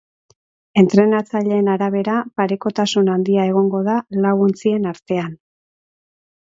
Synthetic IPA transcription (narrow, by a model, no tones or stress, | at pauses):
e̞nt̪ɾe̞nat͡saʎe̞ːnaɾaβ̞e̞ɾapaɾe̞ko̞t̪asunand̪iae̞ɣ̞o̞ŋɡo̞ðalawɣunt͡sie̞naɾt̪e̞an